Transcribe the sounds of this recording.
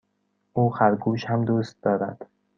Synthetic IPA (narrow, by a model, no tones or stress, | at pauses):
ʔuːxæɾɡuːʃhæmd̪uːst̪̚d̪ɒːɾæ̰d̪̥